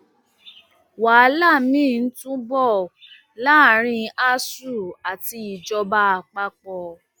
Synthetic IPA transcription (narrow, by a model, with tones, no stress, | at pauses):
wa˨˦la˦˨mĩ˦˨n̩˦tũ˦bɔ˦˨ | la˦˨ɾ̃ĩ˧a˦su˦˨a˨ti˧i˨d͡ʒɔ˧ba˦a˧˨k͡pa˦k͡pɔ˧